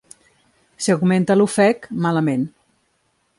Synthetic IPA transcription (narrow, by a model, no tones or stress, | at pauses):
siaɣment̪əlufɛkmaləmen